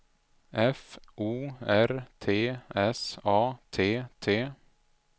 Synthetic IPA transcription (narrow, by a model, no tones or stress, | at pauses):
ʔɛfʔuːæɾt̪ʰeːɛsɑːt̪ʰeːt̪ʰeː